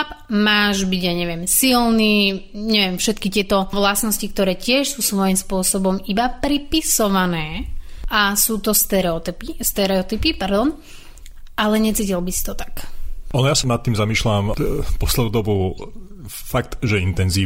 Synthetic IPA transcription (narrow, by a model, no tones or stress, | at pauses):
pmaːʒbiɟjaɲɛʋɪɛmsilniːɲɛʋɛmfʃɛt̪kit̪ɪɛt̪ɔʋlasnɔscik̚t̪ɔɾɛːcɪɛʃsuːsʋɔjimspʊɔsɔbɔmibapɾipisɔʋanɛːʔasuːt̪ɔst̪ɛɾɛɔt̪ipist̪ɛɾɛɔt̪ipipaɾd̪ɔn | ʔalɛɲɛt͡siːcilbisi̥t̪ɔt̪ḁkʔɔnɔjasanat̪ːiːmzamiːʃlampɔslɛd̪uːd̪ɔbu | fak̚t̪ʒɛint̪ɛnziː